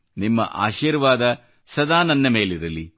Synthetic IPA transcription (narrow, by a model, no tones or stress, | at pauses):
nimːɐ̰ʔa̰ːʃiːɾʋaːd̪ɐ | sɐd̪aːnɐnːɐme̞ːliɾɐli